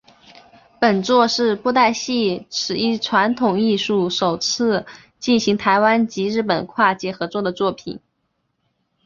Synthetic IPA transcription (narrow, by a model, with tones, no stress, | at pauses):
pə˨˩nt͡swɔ˥˧ʂɻ̩˥˧pu˥˧t̪̬a˥˧ɪɕi˥˩ʈ͡ʂʰɻ̩˨˩i˥˩ʈ͡ʂʰwa˧˥nt̪ʰʊ˨˩ŋi˥˧ʂu˥˩ʂo˨˩ʊt͡sʰɹ̩˥˩ | t͡ɕi˥˩nɕi˧˥ŋt̪ʰa˧˥ɪwa˥nt͡ɕi˧˥ɻɻ̩˥˩pə̰˨˩nkʰwa˥˧t͡ɕjɛ˥˩xɤ˧˥t͡swɔ˥˩d̪ə˩t͡swɔ˥˩pʰḭ˨˩˦n